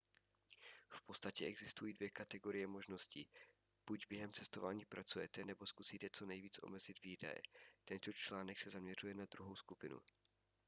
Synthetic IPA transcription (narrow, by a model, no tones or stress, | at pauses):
fpotst̪acɛɛɡzɪst̪ujiːdvjɛkat̪ɛɡo̞ɾɪjɛmo̞ʒno̞sciː | b̥uɟbjɛɦɛmt͡sɛst̪o̞vaːɲiːpɾʔat͡sujɛt̪ɛnɛbo̞skusiːt̪ɛt͡so̞nɛjviːt͡sʔo̞̰mɛzɪd̪viːda̰jɛ̰t̪ɛnt̪o̞t͡ʃlaːnɛksɛzamɲɛr̝ujɛnad̪ɾuɦo̞wskupɪnṵ